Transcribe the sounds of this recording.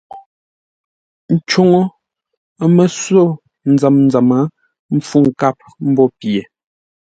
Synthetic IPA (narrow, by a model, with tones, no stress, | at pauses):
n̩˨t͡ʃo˨ŋo˦ | mə˨so˦˨ | n̩˨d͡za˨mn˦d͡za˨ma˨˦ | m̩˦fu˦˨ŋ̩˨ka˦˨p̚m̩˦bɔ˦pje˨